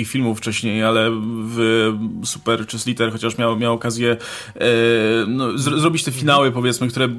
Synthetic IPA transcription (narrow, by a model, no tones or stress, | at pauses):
ixfʲilmuffːt͡ʂɛɕɲejalɛvsu̥pɛɾt͡ʂɘslʲit̪ɛɾxɔt͡ɕaʂmʲjawmʲjawɔkazʲjɛ | nɔzzɾɔbʲit͡ɕt̪ɛfʲinawɘpɔvʲjɛt̪smɘkt̪uɾɛ